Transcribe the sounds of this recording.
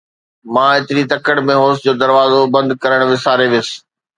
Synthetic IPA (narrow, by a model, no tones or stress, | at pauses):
mãːɪt̪ɪɾit̪ɐkəɽmẽɦoːsd͡ʑoːd̪ɐɾʋaːzobɐ̃nd̪̚kɐɾəɽ̃ʋɪsaːɾeʋɪs̆